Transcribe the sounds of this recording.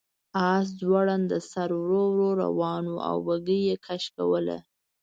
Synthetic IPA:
ɑs̬zwaɽand̪əsaɾwɾowɾoɾa̰wɑnoa̰wːaɡəjekʰaʃkawəla̰

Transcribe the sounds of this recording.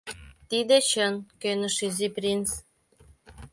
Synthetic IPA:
t̪id̪et͡ɕənkønə̆ʃyziprʲins

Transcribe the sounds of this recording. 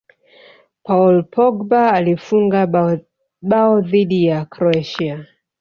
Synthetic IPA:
paɔlpʰɔɡbaːlifuŋɡa | ɓaɔðiɗijakɾɔaʃia

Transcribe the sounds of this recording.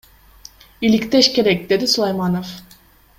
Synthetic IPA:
ilikt̪eʃkʲe̞ɾɛk̚ʲd̪e̞d̪isulˠajmɑnof

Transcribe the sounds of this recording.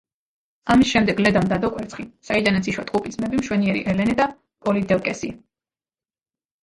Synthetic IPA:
amisʃɛmd̪ɛɡlɛd̪amd̪ad̪ɔkʼwɛɾt̪sʰχisaid̪anat̪sʰiʃwat̪ʼqʼupʼid̪z̥mɛbimʃwɛniɛɾḭʔɛlɛnɛd̪a | pʼɔlid̪ɛlkʼɛsi

